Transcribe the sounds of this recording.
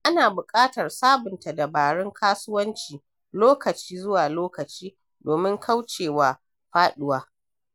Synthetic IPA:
ʔa˦naː˨bʊ˨kʼaː˦tɐ˨rsaː˦bɪ˨nta˨da˨baː˨ɽɪ˦ŋkʰaː˦sʊ˦wɐ˦nt͡ʃiː˨ | loː˦kɐ˨t͡ʃiː˦zʊ˦waː˨loː˦kɐ˨t͡ʃiː˦ | doː˨mɪ˦ŋkʰa˦wt͡ʃeː˨waː˨ | ɸaː˦ɗʊ˦waː˦

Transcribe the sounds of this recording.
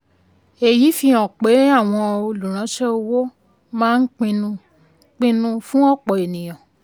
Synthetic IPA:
e˨ji˨˦fi˧ɔ̃˨k͡pe˨˦a˦˨w̃ɔ̃˧o˧lu˨ɾ̃ã˨˦ʃɛ˦o˧wo˦ | mãː˦n̩˦k͡pĩ˧nũ˧ | k͡pĩ˧nũ˧fũ˦ɔ˦˨k͡pɔ˨e˨nĩ˨j̃ɔ̃˨

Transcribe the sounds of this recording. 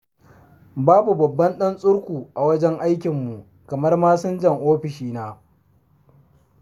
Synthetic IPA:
baː˦bu˨bɐ˨bːɐ˦nɗɐ˦nsʼʊ˦ɽkʷuː˨ʔa˨wɐ˦d͡ʒɛ˦ŋʔa˦jkʲɪ˨mːu˨ | kɐ˨mɐ˦rmaː˦sʊ˦nd͡ʒɐ˦˨ŋʔoː˦ɸɪ˨ʃiː˦naː˨˦

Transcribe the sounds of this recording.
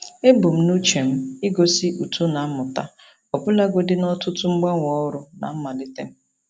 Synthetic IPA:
e˦bu˨m̩˦nu˦t͡ʃe˨m̩˦ɪ˦ɡo˨si˦ʔu˨tu˦na˨˦mʊ˨ta˦ | ɔ˨pʊ˦la˦ɡʷo˦dɪ˦nɔ˦tʊ˦tʊ˦ŋ͡m̩˦ɡ͡ba˦ŋʷɔ˦ɾʊ˨na̰˨m̩˦ma˨lɪ˦te˦m̩˦

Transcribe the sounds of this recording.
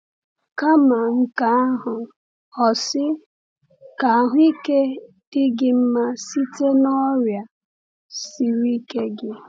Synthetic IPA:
ka˦ma˨ŋ̩˦ka˦a˦ɦʊ˨ | ɔ˨sɪ˦ | ka˨a˨ɦʊ˦i˦ke˦ | d̥ɪ˦ɡɪ˦m̩˦ma˦si˦te˦nɔ˦ɾja˨ | si˨ɾi˦ke˦ɡɪ˦

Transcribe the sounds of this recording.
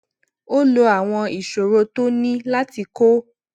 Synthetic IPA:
o˦lo˧a˨w̃ɔ̃˧i˨ʃo˨ɾo˧to˦nĩ˦la˦ti˧ko˦

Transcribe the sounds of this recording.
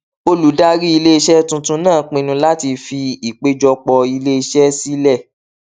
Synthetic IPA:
o˧lu˨˦da˦ɾi˦i˧le˦i˧ʃɛ˦tũ˧tũ˧˦nãː˦˨k͡pĩ˧nũ˧la˦ti˧fi˧i˨k͡pe˦d͡ʒɔ˧k͡pɔ˧i˧le˦i˧ʃɛ˦si˦lɛ˦˨

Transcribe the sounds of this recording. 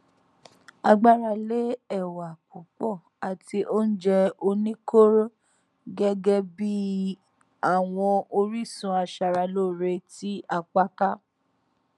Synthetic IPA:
a˧ɡ͡ba˦˧ɾa˧le˦ɛ˦˨wa˨k͡pu˨k͡pɔ˦˨ | a˨ti˧ʔo˦n̩˦d͡ʒɛ˧o˧nĩ˦ko˦ɾo˦ | ɡɛ˦ɡɛ˦bi˦ | a˦˨w̃ɔ̃˧o˧ɾi˦˨sũ˧˦a˧ʃa˧ɾa˧lo˦˨ɾe˧ti˦a˧k͡pa˦ka˦

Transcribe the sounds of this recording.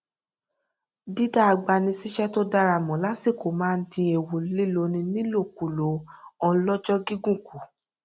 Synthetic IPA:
di˦da˦˨a˧ɡ͡ba˧nĩ˧si˦ʃɛ˦to˦da˧ɾa˧˨mɔ̃˨˦la˨˦si˦˨ko˨mãː˨˦n̩˦tĩ˧˦e˨wo˨li˦lo˧nĩ˧nĩ˦lo˦˨ku˨lo˨˦ɔ˧lɔ˦d͡ʒɔ˦ɡi˦ɡũ˦˨ku˨

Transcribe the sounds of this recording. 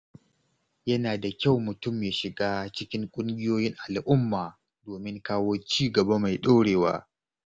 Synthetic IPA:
jɐ˦naː˨da˨kʲa˦˨wmʊ˨tʊ˦˨mjaː˨ʃɪ˨ɡaː˦t͡ʃɪ˦kʲɪ˦ŋkʷʼʊ˦ŋɡʲɪ˦joː˦jɪ˦ŋʔa˨lʔʊ˦mːaː˨ | doː˨mɪ˦ŋkaː˦woː˦t͡ʃiː˦˨ɡɐ˨ba˦ma˨jɗoː˦ɽeː˨wa̰ː˦

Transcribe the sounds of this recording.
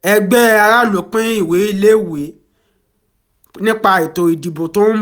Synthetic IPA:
ɛ˧ɡ͡bɛ˦a˧ɾa˦lo˨˦k͡pĩ˦i˦˨we˨˦i˦˨le˦˨we˨˦ | nĩ˦k͡pa˧i˨to˨i˨di˨bo˨tõ˦m

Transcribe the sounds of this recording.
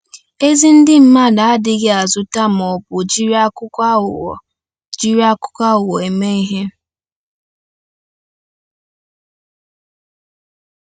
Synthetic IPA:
e˦zi˦n̩˦dɪ˦m̩˦ma˦˨da˨a˦dɪ˦ɡe˦a˨zʊ˦ta˦m̩˨ɔ˨pʊ˨d͡ʒi˦ɾa˦kʊ̰˦˨ | d͡ʒi˦ɾi˦a˦kʊ̥˦ka˦ʊ˨wɔ˨e˨me˦i˦ɦe˦

